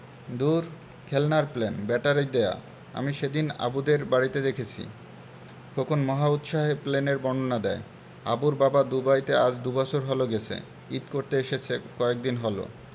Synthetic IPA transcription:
d̪uɾ | kʰelnaɾplenbɛʈaɾid̪ea̰ | a̰miʃed̪ina̰bud̪eɾbaɽit̪ed̪ekʰet͡ɕʰḭ | kʰokʰonmɔɦaut̪ʃaɦepleneɾbɔɳɖonad̪ɛe | a̰buɾbabad̪ubajt̪ead͡ʑd̪ubɔt͡ɕʰoɾɦɔloɡet͡ɕʰḛ | it̪koɾt̪eeʃet͡ɕʰekɔek̚d̪inɦɔlo̰

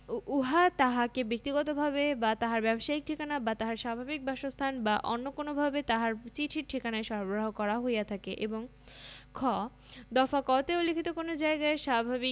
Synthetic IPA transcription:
uɦat̪aɦakebek̚t̪iɡɔt̪obʱabebat̪aɦaɾbɛboʃaik̚ʈʰikanabat̪aɦaɾʃabʱabik̚baʃost̪ʰanbaʔonːokonobʱabet̪aɦaɾt͡ɕiʈʰiɾʈʰikanaeʃɔɾbɾaɦokɔɾaɦojat̪ʰakeʔeboŋ | kʰɔ | d̪ɔfakɔt̪eulːikʰit̪okonod͡ʑaeɡaeʃabʱabi

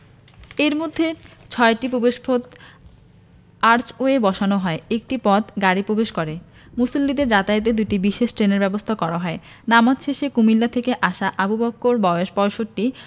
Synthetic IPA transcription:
eɾmod̪ʱːet͡ɕʰɔeʈipɾobeʃpʰot̪ | aɾt͡ɕoebɔʃanoɦɔeek̚ʈipɔt̪ʰɡaɽipɾobeʃkɔɾe | musolːid̪eɾd͡ʑat̪aet̪̬ed̪ujʈibiʃeʃʈɾeneɾbɛbost̪ʰakɔɾaɦɔe | namat̪ʃeʃekumilːat̪ʰekeʔaʃaʔabubɔkːoɾbɔoʃpɔjʃoʈːi

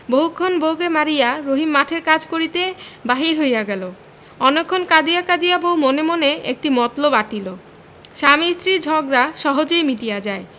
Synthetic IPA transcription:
boɦukʰːonbowɡemaɾijaɾoɦimːaʈʰeɾkad͡ʑkoɾit̪ebaɦiɾɦojaɡɛlo | ɔnekʰːonkad̪ijakad̪ijabowmonemoneek̚ʈimɔt̪lobaʈilo | ʃamist̪ɾid͡ʑʱɔɡɾaʃɔɦod͡ʑejmiʈijad͡ʑae

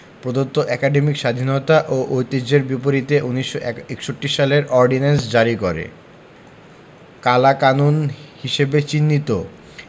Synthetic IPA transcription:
pɾod̪ot̪ːoʔɛkaɖemikʃad̪ʱinot̪aʔoʔojt̪ed͡ʑeɾbipoɾit̪eʔuniʃːoekʃoʈːiʃaleɾɔɾɖinens̬d͡ʑaɾikoɾḛ | kalakanunhiʃebet͡ɕinːit̪o

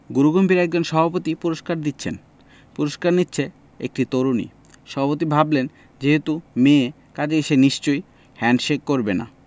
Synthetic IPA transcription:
ɡuɾuɡombiɾɛk̚d͡ʑonʃɔbʱapot̪ipuɾoʃkaɾd̪itːɕʰḛn | puɾoʃkaɾnitːɕʰe | ḛk̚ʈit̪oɾunḭ | ʃɔbʱapot̪̬ibʱablen | d͡ʑeɦet̪umẽ | kad͡ʑeeʃeniʃt͡ɕoj | hɛnʃekkːoɾbena̰

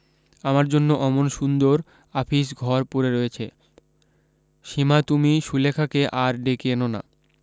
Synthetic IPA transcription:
amaɾd͡ʑonːoʔɔmonʃund̪oɾ | apʰiʃɡʱɔɾpuɾeɾoet͡ɕʰe | ʃimat̪umiʃulekʰakeʔaɾɖekenona̰

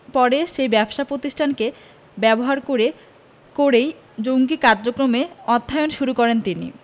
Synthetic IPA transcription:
pɔɾeʃejbɛbʃapɾot̪iʃʈʰanke | bɛboɦaɾkoɾe | koɾej | d͡ʑoŋɡikaɾd͡ʑokɾomeɔt̪ʰːajonʃuɾukɔɾent̪inḭ

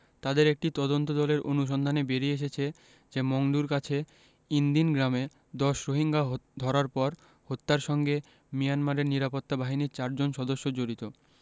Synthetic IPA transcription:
t̪ad̪eɾek̚ʈit̪ɔd̪ont̪od̪ɔleɾʔonuʃ̬ɔnd̪ʱanebeɾieʃ̬et͡ɕʰe | d͡ʑemoŋɖuɾkat͡ɕʰe | ind̪inɡɾame | d̪ɔʃɾoɦiŋɡad̪ʱɔɾaɾpɔɾ | hot̪ːaɾʃɔŋɡe | mijanmaɾeɾniɾapot̪ːabaɦiniɾt͡ɕaɾd͡ʑonʃɔd̪oʃːod͡ʑoɾit̪o

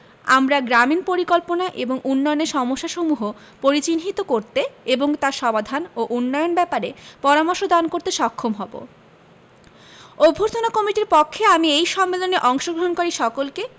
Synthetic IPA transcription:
a̰mɾaɡɾaminpoɾikɔlponaʔeboŋʔunːɔjoneɾʃɔmoʃːaʃomuɦo | poɾit͡ɕinɦit̪okoɾt̪eeboŋt̪aɾʃɔbad̪ʱanoʔunːɔjonbɛpaɾepɔɾamoɾʃod̪ankoɾt̪eʃɔkʰːomɦɔbo̰ | obʱːoɾt̪ʰonakɔmiʈiɾpɔkʰːeamiejʃɔmːeloneʔɔŋʃoɡɾoɦonkoɾiʃɔkolke

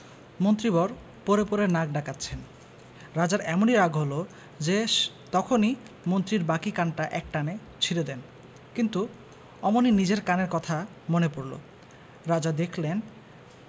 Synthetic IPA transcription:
mont̪ɾibɔɾ | poɾepoɾeɾnaɡ̚ɖakat̪ːɕʰen | ɾad͡ʑaɾɛmoniɾaɡɦolo | d͡ʑe | t̪ɔkʰoni | mont̪ɾiɾbakikanʈaʔɛk̚ʈane | t͡ɕʰiɾed̪ɛn | kint̪u | ɔmoninid͡ʑeɾkaneɾkɔt̪ʰa | monepoɾlo̰ | ɾad͡ʑad̪ekʰlen

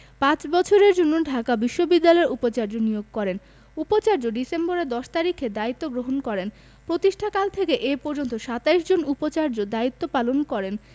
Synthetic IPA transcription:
pãt͡ɕbɔt͡ɕʰoɾeɾd͡ʑonːoɖʱakabiʃːobid̪ːalɔeɾʔupot͡ɕaɾd͡ʑonijoɡ̚kɔɾen | upot͡ɕaɾd͡ʑoɖisemboɾed̪ɔʃt̪aɾikʰed̪ait̪ːoɡɾoɦonkɔɾen | pɾot̪iʃʈʰakalt̪ʰekeʔepɔɾd͡ʑont̪oʃat̪aiʃd͡ʑonupot͡ɕaɾd͡ʑod̪ait̪ːopalonkɔɾen

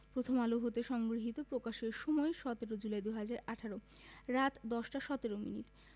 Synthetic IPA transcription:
pɾot̪ʰomaluɦot̪eʃɔŋɡɾiɦit̪opɾokaʃeɾʃɔmɔeʃɔt̪eɾod͡ʑulaed̪uɦad͡ʑaɾaʈʰaɾo | ɾat̪d̪ɔʃʈaʃɔt̪eɾomḭniʈ

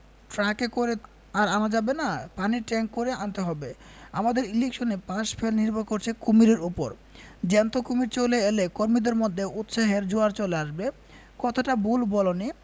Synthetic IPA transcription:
ʈɾakekoɾe | aɾanad͡ʑabenapaniʈɛŋkːoɾeant̪eɦɔbe | a̰mad̪eɾilekʃonepãʃpʰelniɾbokoɾt͡ɕʰekumiɾeɾupoɾ | d͡ʑɛnt̪okumiɾt͡ɕoleelekoɾmid̪eɾmod̪ʱːeut̪ʃaɦeɾd͡ʑoaɾt͡ɕoleaʃbe | kɔt̪ʰaʈabulbɔloni

